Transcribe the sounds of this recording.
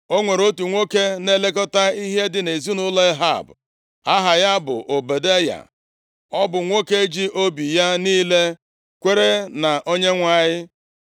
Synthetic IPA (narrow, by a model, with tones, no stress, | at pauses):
o˦ŋʷe˨ɾo˦tu˨ŋʷo˦ke˦ne˦le˦kɔ˦ta˦i˦ɦe˦dɪ˨ne˨zu˦nʊ˦le˦ɦa̰˦˨b | a˦ɦa˨ja˦bʊ̰˨ʔo˨be˨de˦ja̰˨ | ɔ˦bʊ˨ŋʷo˦ke˦d͡ʒi˦ʔo˦bi˨ja˦niː˦le˦ | kʷe˦ɾe˦na˨ʔo˦ɲe˦ŋʷa˨ɲɪ˦